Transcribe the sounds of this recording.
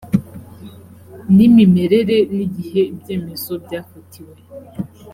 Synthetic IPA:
nimime̞ɾeɾeniɟiheibjeːme̞zobɟaːfutʰiwe

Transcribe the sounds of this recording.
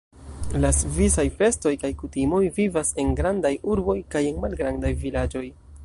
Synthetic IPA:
lasvisajfe̞sto̞jkajkutimo̞jvivase̞nɡɾandajuɾbo̞jkaje̞nmalɡɾandajvilad͡ʒo̞j

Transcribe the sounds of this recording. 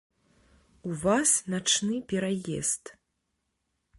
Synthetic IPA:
uvasnat͡ʂnɨpʲɛɾajɛ̰st̪

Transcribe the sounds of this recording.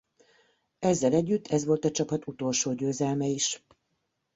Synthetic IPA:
ɛzːɛlɛɟːyt̪ʰːɛzʋo̞lt̪ɒt͡ʃɒpɒt̪ut̪o̞lʃoːɟøːzɛlmɛiʃ

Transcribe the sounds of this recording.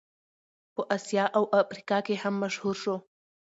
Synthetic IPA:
pəʔasjɑʔawʔafɾikɑkehamːaʃhuɾʃo

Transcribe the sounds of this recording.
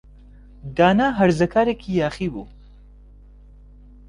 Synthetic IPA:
d̪aːnaːɦɐɾzɐkʰaːɾeːkʰijaːχibṵ

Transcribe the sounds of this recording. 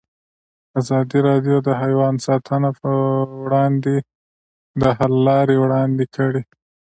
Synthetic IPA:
azɑd̪iɾɑd̪jod̪əɦajwɑnsɑt̪ʰənapwɽɑnd̪e | d̪əhalːɑɾewɽɑnd̪ekʰəɽi

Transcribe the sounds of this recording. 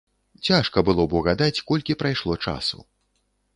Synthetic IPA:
t͡sʲaʂkɐbɨlˠɔbuɣad̪at͡sʲkɔlʲkʲipɾajʂlˠɔt͡ʂa̰sṵ

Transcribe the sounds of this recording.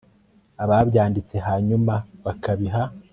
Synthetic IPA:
aβaβɟaːndit͡se̞ɦaːɲumaβakaβiɦa

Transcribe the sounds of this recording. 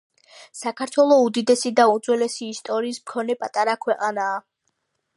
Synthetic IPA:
sakʰaɾt̪ʰwɛlˠɔud̪id̪ɛsid̪aund̪zʼwɛlɛsiːst̪ʼɔɾiːsmkʰɔnɛpʼat̪ʼaɾakʰwɛqʼanaː

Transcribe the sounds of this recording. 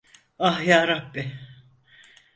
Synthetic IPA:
ahjaːɾabːɪ

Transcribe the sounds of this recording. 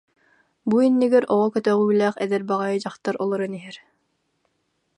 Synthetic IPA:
buinːiɡɛɾʔɔʁɔkœt̪œʁyːlæːχɛd̪ɛɾbaʁajɯd͡ʑɑχt̪aɾʔɔlˠɔɾaniɦɛɾ

